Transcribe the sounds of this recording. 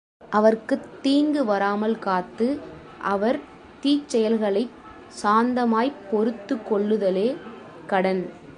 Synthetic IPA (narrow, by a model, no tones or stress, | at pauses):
ʔɐʋɐrkɯt̪ːiːŋɡɯʋɐɾaːmɐlkaːt̪ːɯ | ʔɐʋɐɾ | t̪iːt͡ʃːɛjɐlɣɐɭɐɪ | saːnd̪ɐmaːjpːɔɾɯt̪ːɯkːɔɭːɯðɐleː | kɐɽɐn